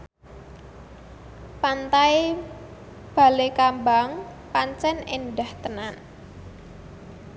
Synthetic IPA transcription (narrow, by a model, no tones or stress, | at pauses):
pant̪aj | b̥a̤lekambaŋ | paɲt͡ʃɛnenɖaht̪ənan